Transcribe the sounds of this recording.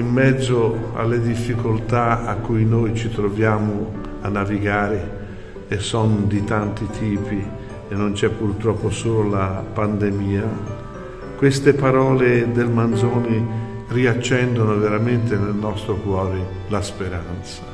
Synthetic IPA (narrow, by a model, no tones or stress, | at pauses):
imːɛd̪zːoa̰lːed̪ifːikolt̪aakːujnojt͡ʃit̪ɾovjaːmʊ | anːaviɡaːɾe | esːɔnd̪it̪ant̪it̪ʰiːpi | enːont͡ʃɛpːurt̪ɾɔpːosoːlolapand̪emiːa | kwest̪epaɾɔːled̪elmand̪zoːni | riat͡ʃːɛnd̪onoveɾament̪enelnɔst̪ɾokwɔːɾe | laspeɾant̪sḁ